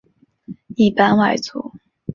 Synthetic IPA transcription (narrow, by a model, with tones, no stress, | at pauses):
i˥˩pa˥nwa˨˩ɪt͡sṵ˨˦